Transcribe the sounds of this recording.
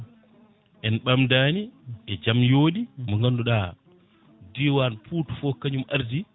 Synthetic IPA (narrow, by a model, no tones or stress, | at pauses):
ʔɛnɓamdaːniʔɛd͡ʒamjoːɗimɔŋɡanduɗa | diwanpuːtufɔkaɲumʔaɾdi